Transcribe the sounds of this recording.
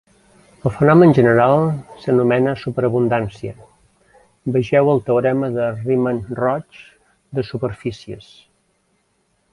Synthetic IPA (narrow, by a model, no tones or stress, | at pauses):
əlˠfənɔmənʒənəɾalˠsənumɛnəsupəɾəβund̪ansiə̰ | bəʒɛwəlˠt̪əuɾɛməðərimənrɔt͡ʃ | d̪əsupərfisiə̰s